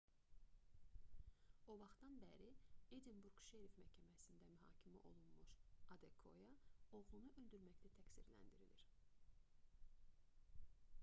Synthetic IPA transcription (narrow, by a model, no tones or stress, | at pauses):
o̞vɑχt̪ɑnbæɾied̪inbuɾɡ̥ʃeɾifmæhcʰæmæsind̪æmyɦɑ̰ːcʰimiʔo̞̰lˠunmuʃɑd̪ekʰo̞̰jɑo̞ʁlˠunuʔø̞ld̪yɾmæct̪ʰæt̪ʰæcsiɾlæ̰nd̪iɾḭlʲiɾ